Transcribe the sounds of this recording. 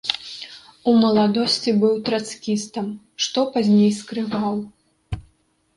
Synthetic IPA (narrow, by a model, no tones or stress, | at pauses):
umɐlˠad̪ɔsʲt͡sʲibɨwt̪ɾat̪skʲist̪ɐm | ʂt̪ɔpazʲnʲejskɾɨvaw